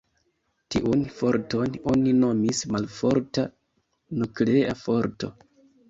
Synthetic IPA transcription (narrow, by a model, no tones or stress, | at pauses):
tiʔunfo̞ɾto̞no̞nino̞mismalfo̞ɾta | nukleafo̞ɾto̞̰